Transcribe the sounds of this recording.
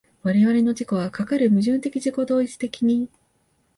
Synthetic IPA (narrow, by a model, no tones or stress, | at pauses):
βaɾe̞βaɾe̞no̞d͡ʑiko̞βakakaɾɯ̟mɯ̟ʑɨ̃nt̪e̞kʲiʑiko̞d̪o̞ːit͡sɨ̥t̪e̞kʲiɲ̟i